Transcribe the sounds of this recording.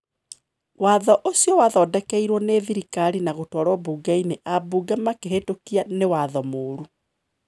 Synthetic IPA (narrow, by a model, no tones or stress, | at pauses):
waðɔʔosiɔwaðɔdɛkɛiɾwɔneðiɾikaɾinaɣotwɔɾwɔbuːɡaineʔabuɡamakeɦetokianewaðɔmoːɾu